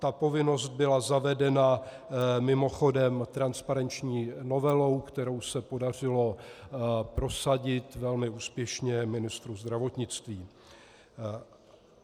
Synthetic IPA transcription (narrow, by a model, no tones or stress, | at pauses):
t̪apo̞vɪno̞st̪̚bɪlazavɛdɛna | mɪmo̞xo̞dɛmt̪ɾanspaɾɛnt͡ʃɲiːno̞vɛlo̞wkt̪ɛɾo̞wsɛpo̞dar̝ɪlo̞ | pɾo̞saɟɪt̪vɛlmɪuːspjɛʃɲɛmɪnɪst̪ɾuzd̪ɾavo̞t̪ɲɪt͡st̪viː